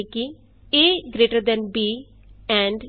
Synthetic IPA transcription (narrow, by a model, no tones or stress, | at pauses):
ki | eːɡɾeːʈəɾd̪ɛ̃nbiː | ɛ̃ːɳɖ